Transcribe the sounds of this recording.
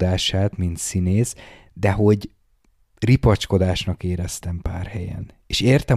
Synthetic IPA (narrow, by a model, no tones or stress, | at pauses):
d̪aːʃaːt̪mint̪sineːz | d̪ɛɦo̞ɟ | ripɒt͡ʃko̞d̪aːʃnɒkeːɾɛst̪ɛmpa̰ːrhɛjɛ̰n | eːʃeːrt̪ɛ